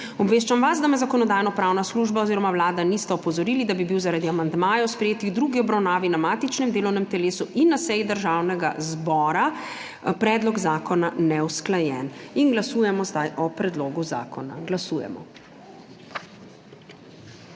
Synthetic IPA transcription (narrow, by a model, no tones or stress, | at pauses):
ɔbʋeːʃt͡ʃamʋasd̪amɛzakɔnɔd̪aːjnɔpɾaːwnasluːʒbaoziːɾɔmawlaːd̪anist̪ɛɔpɔzɔɾiːlid̪abibiwzaɾad̪iamand̪maːjɔwspɾɛjeːt̪iɣd̪ɾuɡiɔbɾawnaːʋinamaːt̪it͡ʃnɛmd̪eːlɔwnɛmt̪ɛleːsuʔinːasɛjid̪əɾʒaːwnɛɡa̰zbɔːɾa | pɾɛːd̪lɔɡzaːkɔnanɛwsklajɛninɡlasuːjɛmɔzd̪ajʔɔpɾɛd̪loːɡuza̰ːkɔna̰ɡlasuːjɛ̰mɔ̰